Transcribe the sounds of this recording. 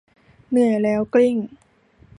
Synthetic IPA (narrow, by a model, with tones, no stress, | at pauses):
mɯ˨˩əlɛː˦˥wkli˥˩ŋ